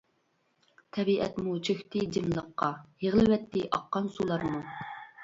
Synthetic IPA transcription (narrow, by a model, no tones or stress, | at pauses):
t̪ʰɛbiʔɛ̰t̪mut͡ʃʰøxt̪ɪd̪ɪmlˠəqːɑjeʁlˠɪwɛt̪ːɪʔɑ̰qːɑnsulˠɑɾmu